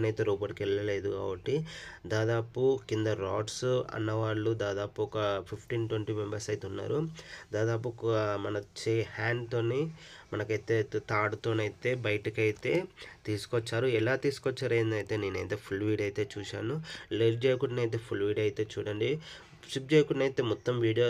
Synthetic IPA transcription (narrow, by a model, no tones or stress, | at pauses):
nɐjt̪e̞ːɾuːp̬ɐɽikɛlːɐle̞ːd̪uka̰ːbɐʈːid̪aːd̪aːpukind̪ɐɾa̰ːʈsɐ̰nːɐʋaːɭːud̪aːd̪aːpuɔkɐpʰipʰʈiːnʈweɳʈimembɐɾsɐjt̪eunːa̰ːɾud̪aːd̪aːp̬umɐnɐt͡ʃejɐhaːɳɖt̪o̞ːnemɐnɐkɐjt̪e̞ːt̪aːɽut̪oːnɐjt̪e̞ːbɐjɐʈikɐjt̪e̞ːt̪iːsu̥kɔt͡ʃːaːɾuɛlaːt̪iːsu̥kɔt͡ʃːaːɾejnd̪ɐjt̪e̞ːne̞ːnɐjt̪e̞ːpʰulʋiːɖɐjt̪e̞ːt͡ʃuːʃa̰ːnuleːld͡ʒeːjkuʈnɐjt̪̬e̞ːpʰulʋiːɖɐjit̪e̞ːt͡ʃuːɽɐɳɖi | t͡ʃip̚d͡ʒeːjkuʈnɐjt̪e̞ːmɔt̪ːɐmʋiːɽijoː